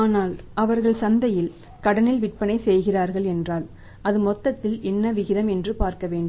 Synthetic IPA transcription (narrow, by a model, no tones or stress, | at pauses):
aːnaːlɐʋɐɾɣɐɭsɐnd̪ɐjɪl | kɐɽɐnɪlʋɪʈ̚pɐnɐɪsɛjɣɪraːɾɣɐɭɛndraːl | ɐðɯmɔt̪ːɐt̪ːɪlɛnːɐʋɪɣɪðɐmɛndrɯpaːɾkɐʋeːɳɖɯm